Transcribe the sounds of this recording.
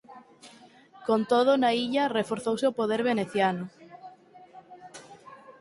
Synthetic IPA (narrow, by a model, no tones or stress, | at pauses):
kont̪oð̞ʊnaiʎɐrefoɾθowseopoð̞eɾβeneθjanʊ